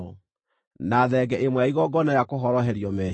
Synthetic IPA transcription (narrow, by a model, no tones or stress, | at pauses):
naðɛɡɛʔemwɛaiɣɔɡɔnajakoɦɔɾɔɦɛɾiɔmɛ